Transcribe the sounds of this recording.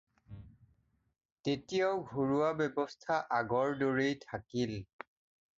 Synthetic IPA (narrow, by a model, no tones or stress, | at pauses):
tetijaʊɡʱoɹuwabɛbɔstʰaʔaɡɔɹdoɹejtʰakil